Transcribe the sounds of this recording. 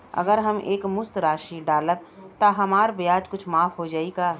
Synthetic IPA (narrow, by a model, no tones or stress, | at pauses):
ɐ̰ɡəɾɦɐmʔeːkmʊst̪ɾaːʃiɖaːləb̚t̪aɦɐmaːɾbjaːd͡ʒkʊt͡ʃʰmaːfʰɦod͡ʒaːiɡaː